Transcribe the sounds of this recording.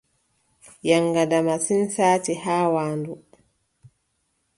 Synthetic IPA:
jaŋɡadamasinsaːtihaːwaːndu

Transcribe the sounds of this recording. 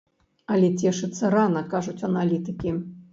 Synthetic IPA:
ɐlʲɛt͡sʲɛʂɨt̪sːɐɾanɐkaʐut͡sʲɐnalʲit̪ɨkʲi

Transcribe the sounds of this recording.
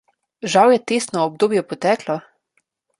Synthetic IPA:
ʒawjɛt̪eːst̪nɔɔb̚d̪oːbjɛpɔt̪ɛːklɔ

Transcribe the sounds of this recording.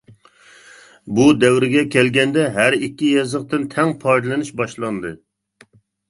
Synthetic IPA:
bud̪ɛwɾɪɡʲɛkʲʰɛlɡʲɛnd̪ɛɦæɾikʲːijɛzəqt̪ɨnt̪ʰɛŋpʰɑɾd̪ɨlˠɨnuʃbɑʃlˠɑnd̪ɨ

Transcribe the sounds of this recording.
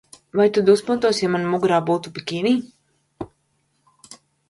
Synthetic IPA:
vajt̪ud̪uspunt̪uɔsjamanmuɡɾaːbuːt̪upikʲiːnʲiː

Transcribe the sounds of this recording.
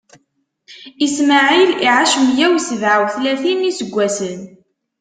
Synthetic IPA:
ismaʕiliʕaʃmjæwsəðʕawθlæθimisəɡʷːæsən

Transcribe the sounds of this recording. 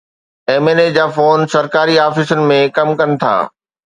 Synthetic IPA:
eːmeːned͡ʑaːfoːnsɐɾkaːɾiaːfɪsʊnɪ̆mẽkɐmkɐnɪ̆t̪ʰa̰ː

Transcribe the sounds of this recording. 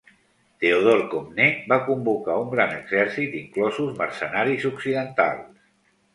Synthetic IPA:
t̪eoð̞oɾkomnebakumbukauŋɡɾanəɡzɛɾsit̪iŋklɔzuzmərsənaɾizuksiðənt̪a̰lˠs

